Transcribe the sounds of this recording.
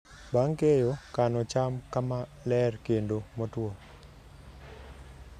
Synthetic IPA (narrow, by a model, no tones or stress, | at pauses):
baŋkejokanɔt͡ʃamkamalɛrkendomɔtwɔ